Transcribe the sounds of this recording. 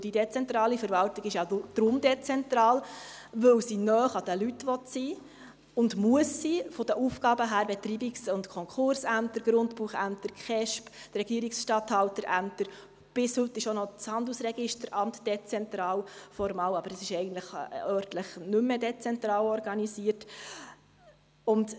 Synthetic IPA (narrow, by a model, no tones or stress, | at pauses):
d̥idet͡sɛnt̪ɾɑːlifəɾvɑltiɡɪʃjɑd̥ɾʊmd̪ɛt͡sɛnt̪ɾɑːlʋɵwsinœːχɑd̥əlytːʋɔtsiː | ʊndmuəsːifɔd̥̪əʔufɡɑːbəɦæːɾbɛt̪ɾiːbiksʊntkʰɔŋkχʊɾsæmtəɾɡ̥ɾʊndpuχæ̰mt̪əɾkχɛʃpd̥rɛɡiəɾiksʃtɑt̪hɑwtəɾʔæmt̪əɾ | b̥ɪshɵtːɪʃonɔt͡shɑnd̪l̩əsɾɛɡɪʃtəɾɑmtd̥ɛt͡sɛnt̪ɾɑːlfɔɾmɑːwɑb̥əɾɛsɪʃɛɪɡən̩t̪ləχœːɾtləχnʉmːedɛt͡sɛnt̪ɾɑːlɔrɡɑnisiərt | ʊnd